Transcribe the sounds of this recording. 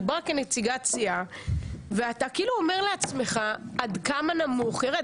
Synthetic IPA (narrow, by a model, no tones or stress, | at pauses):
baakenet͡siɡat͡sia | veatakiiluo̞me̞ʁleat͡sme̞χaad̪kamanamuχeʁe